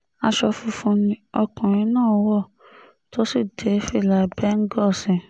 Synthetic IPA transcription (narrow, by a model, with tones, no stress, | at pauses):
a˧ʃɔ˧fũ˧fũ˧nĩ˧ɔ˧kã˨ɾ̃ĩ˧˦nãː˦˨˦wɔ˦˨ | to˦si˦˨de˨˦fi˦˨la˧˨bɛ˦ŋ̩˦ɡɔ˦˨sĩ˧˨